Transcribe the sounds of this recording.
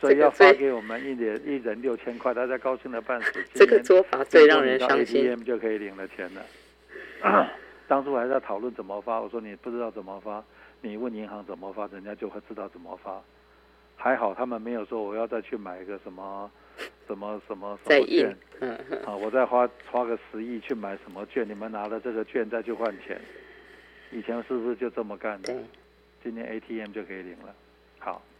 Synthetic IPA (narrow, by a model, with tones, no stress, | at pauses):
swɔ˧˥˨i˨jɑ˥˩ʊa˥˧ke˧˥ɪwɔ˨˩mə˦ni˥˩t̪jɛ˨˩˦ni˥˩ɻə˧˦˥nljo˥˧ʊt͡ɕʰjɛ˥nkʰwa˥˧ɪt̪a˥˧˩t͡ɕja˥kɑ˥ʊɕi˥˩ŋd̪ə˩pa˥˩nsu˨˩t͡ɕi˥ə˥˩ɡə˩ɛ˥nswɔ˥fa˨˦t͡se˥˧ɪɻɑ˥˩ŋɻə˧˦n˥˧ɑ˥e˥tʰii˥ɛ˥˩mt͡ɕjo˥˩ʊkʰɤ˧˥i˨˩li˨˩ŋlə˦t͡ɕʰjɛ˧˥nlə˨ | t̪ɑ˥ŋʂʰu˥wxa˧˥t͡sa˥˩ɪt̪ʰɑ˨˩ʊlwə˥˩nt͡sə˨˩nmə˧fa˥wɔ˨˩ʂwɔ˥ni˨˩pu˥˩ʈ͡ʂɻ̩˥t̪ɑ˥˩ʊt͡sə˨˩nmə˧fa˥ni˨˩wə˥˩ni˧˥ŋxɑ˧˥ŋt͡sə˨˩mə˧fa˥ɻə˧˦nt͡ɕja˥t͡ɕjo˥˧ʊxwe˥˧ɪʈ͡ʂɻ̩˥t̪ɑ˥˩ʊt͡sə˨˩nmə̰˦fa˥ | xa˧˥ɪxɑ˨˩ʊt̪ʰa˥mə˨nme˧˥ɪjo˨˩ʊʂwɔ˥wɔ˨˩jɑ˥˧ʊt͡sa˥˧ɪt͡ɕʰy˥˩ma˨˩ɪi˧˥ɡə˧ʂə˧˥nmə˧ | ʂə˧˥nmə˧ʂə˧˥nmə˧ʂə˨˦˧ɛ˨˥˨nə˥˩wɔ˨˩t͡sa˥˩ɪxwa˥xwa˥ɡə˨ʂɻ̩˧˥i˥˧t͡ɕʰy˥˩ma˨˩ɪʂə˧˥nmə˧t͡ɕɥɛ˥˩ni˨˩mə˦na˧˥lə˧ʈ͡ʂɤ˥˩ɡə˩t͡ɕɥɛ˥˧nt͡sa˥˧ɪt͡ɕʰo˥˧xwa˥˩nt͡ɕʰjɛ̰˧˥n | i˨˩t͡ɕʰjɛ˧˥nʂɻ̩˥˩bu˨˩ʂ̩˥t͡ɕjo˥˧ʊʈ͡ʂɤ˥˩mə˩ka˥˩nə˨˧ | t͡ɕi˥nt̪ʰjɛ̰˥nʔe˥ɪt̪ʰi˥ɛ˥˩mt͡ɕo˥˧kʰɤ˧˥i˨˩li˧˥ŋlə˨ | xɑ˨˩˦ʊ